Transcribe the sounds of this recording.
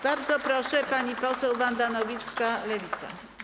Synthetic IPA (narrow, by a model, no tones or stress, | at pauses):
b̥aɾd̪zɔpɾɔʂɛpaɲipɔsɛwvand̪anɔvʲit̪skalɛvʲit̪sa̰